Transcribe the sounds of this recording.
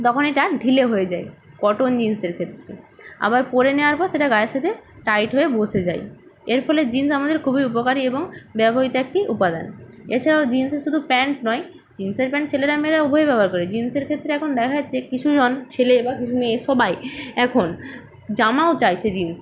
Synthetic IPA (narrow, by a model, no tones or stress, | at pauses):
t̪ɔkʰoneʈaɖʱileɦoed͡ʑae | kɔʈond͡ʑinseɾkʰet̪ːɾea̰baɾpoɾeneoaɾpɔɾʃeʈaɡaeɾʃat̪ʰeʈajʈɦoebosʰed͡ʑa̰j | eɾfɔled͡ʑinsamad̪eɾkʰubʱiupokaɾieboŋbɛbʱoɦit̪oek̚ʈiʔupad̪a̰neɾt͡ɕʰaɾaod͡ʑinseʃud̪ʱupɛɳʈnɔj | d͡ʑinseɾpɛɳʈt͡ɕʰeleɾameɾaubʱoebɛbʱaɾkoɾed͡ʑinseɾkʰet̪ːɾeɛkʰond̪ɛkʰaekit͡ɕʰud͡ʑont͡ɕʰelebakit͡ɕʰumeːʃɔbajɛkʰon | d͡ʑamaot͡ɕajt͡ɕʰed͡ʑins